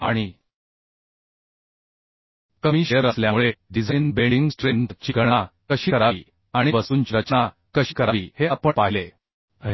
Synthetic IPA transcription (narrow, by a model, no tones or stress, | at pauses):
a̰ɽ̃i | kəmiːɕəɾəsljamuɭeɖid͡zʱəjnbeɽɖiŋɡsʈɾent̪t͡ɕiɡəɳakəɕiːkəɾaʋḭː | aɽ̃ibəsuːnt͡ɕiɾət͡ɕna | kəɕiːkəɾaʋiːheapəɳpaɦile